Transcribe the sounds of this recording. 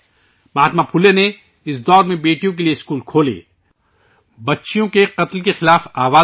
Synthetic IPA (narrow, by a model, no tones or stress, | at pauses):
maːt̪mapʰʊlːene | ɪsd̪ɔːɾmẽbeːʈijõk̬elijeɪskuːlkʰoːlḛː | bɐtːʃijõkeqɐt̪lkexɪlaːfaːʋaː